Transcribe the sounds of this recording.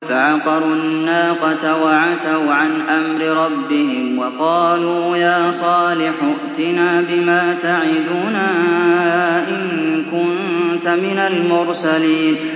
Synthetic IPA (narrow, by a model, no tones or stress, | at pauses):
faʕɑqɑɾˤʊnnːaːqɑt̪awaʕat̪awʕanʔamɾɪɾˤɑbːɪhɪmwɑqɑːluːjaːsˤɑːlɪħʊʔt̪ɪnaːbɪmaːt̪aʕɪd̪uːnaː | ʔɪnkʊnt̪amɪnalmʊɾsaliːn